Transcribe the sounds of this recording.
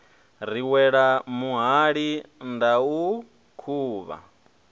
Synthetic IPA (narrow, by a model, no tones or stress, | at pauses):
ɾiwɛɺamuɦaɺindau | kʰuːβa̰